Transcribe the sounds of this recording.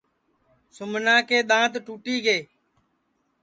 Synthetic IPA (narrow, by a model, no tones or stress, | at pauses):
sʊmnãːkeːɗ̪ãːt̪ʈuːʈiːɡeː